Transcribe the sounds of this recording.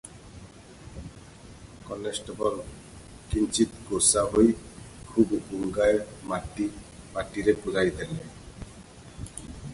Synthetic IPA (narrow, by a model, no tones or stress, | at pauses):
kɔlesʈɔbɔl | kint͡ʃit̪ɡosaɦoj | kʰubbuŋɡaemaʈi | maʈiɾepudajid̪ele